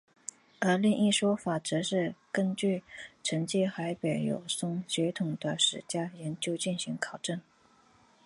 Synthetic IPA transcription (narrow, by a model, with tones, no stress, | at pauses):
ə˞˧˥li˥˧ŋi˥˩ʂwɔ˥fa˨˩ʈ͡ʂ̩˧˥ʂɻ̩˥˩kə˥nt͡ɕy˥˩ʈ͡ʂʰə˧˥ŋt͡ɕi˥˩xa˧˥ɪpe˨˩ɪjo̰˨˩ʊsʊ˥ŋɕɥɛ˧˥t̪ʰʊ˨˩ŋd̪ə˦ʂɻ̩˨˩t͡ɕja˥jɛ˧˥nt͡ɕjo˥ʊt͡ɕi˥˩nɕi˧˥ŋkʰɑ˨˩ʊʈ͡ʂə˥˩n